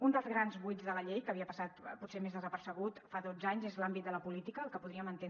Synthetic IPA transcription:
und̪əlˠzɣɾanzβujzðələʎejkəːβiəpəsat̪putsemezðəzəpəɾsəɣ̞ut̪faðod͡zaɲzezlambit̪d̪ələpulit̪ikəlˠkəpuðɾiəmənt̪e

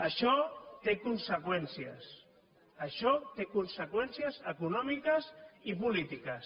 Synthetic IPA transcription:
əʃɔt̪ekunsəkwɛnsiəs | əʃɔt̪ekunsəkwɛnsiəzəkunɔmikəzipulit̪ikəs

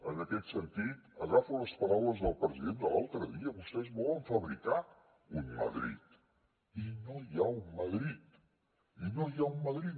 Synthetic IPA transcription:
ənəkɛt̪sənt̪it̪əɣafələspəɾawləzðəlˠpɾəziðend̪əla̰lˠt̪ɾəðiəβust̪ɛzβɔləɱfəβɾika | ummə̰ðɾḭt̪ | inojaumməðɾit̪ | inojaumməðɾi

